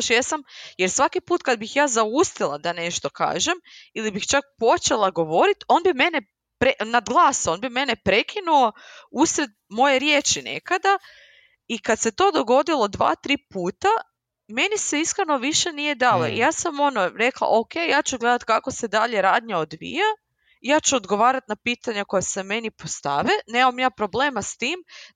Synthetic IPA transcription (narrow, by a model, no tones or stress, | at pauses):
ʃjasamjeɾsʋakipuːt̪kad̪̚bixjaːzaust̪ilˠad̪ane̞ʃt̪o̞ka̰ːʒemilibixt͡ʃak̚po̞t͡ʃelˠaɡo̞ʋo̞ɾit̪o̞nbime̞ne | pɾeʔnad̪ɡlˠaːso̞ːnbime̞nepɾe̞kʰinuo̞usɾe̞d̪mo̞je̞ɾje̞t͡ʃinḛkad̪a | ikat̪se̞t̪o̞d̪o̞ɡo̞d̪ilˠo̞d̪ʋa̰ːt̪ɾiːpuːt̪a | me̞niseiskɾeno̞ʋiʃe̞nije̞d̪aːlo̰ʔḭjaːsamo̞noɾe̞klˠa̰ʔo̞ke̞jjaːt͡ɕuɡle̞d̪at̪kakose̞d̪aʎe̞ɾaːd̪ɲaod̪ʋḭja | ijaːt͡ɕuod̪ɡo̞ʋaːɾat̪napiːt̪aɲako̞jeseme̞nipost̪a̰ʋene̞mamjaːpɾo̞bleːmast̪iːm